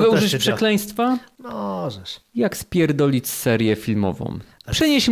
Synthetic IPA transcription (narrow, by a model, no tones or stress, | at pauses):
ɡɛuʐɨt͡ɕpʂɛklɛj̃st̪faɔ | jakspʲjɛɾd̪ɔlʲit͡ɕsɛɾʲjɛfʲilmɔ̰vɔ̰̃mpʂɛɲeɕ